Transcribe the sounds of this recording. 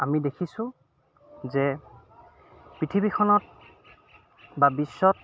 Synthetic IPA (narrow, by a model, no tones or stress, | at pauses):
amidekʰisʊ̃ | zɛ | pɹitʰibikʰɔnɔt̚ | babisːɔt̚